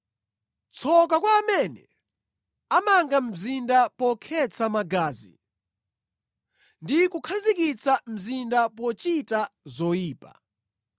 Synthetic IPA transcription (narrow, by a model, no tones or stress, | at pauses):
t͡sʰɔkakwaːmɛnɛ̰ | amaŋɡam̩zindapɔkʰɛt͡sʰamaɡaːzḭ | ndikukʰazikit͡sam̩zindapɔt͡ʃitazɔjiːpa̰